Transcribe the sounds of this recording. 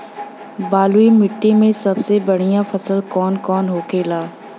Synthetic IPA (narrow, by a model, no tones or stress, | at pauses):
baːluimɪʈːimẽsɐbsebɐɽ̤ijãfʰɐsəlkɔːnkɔːnɦoːkeːlaː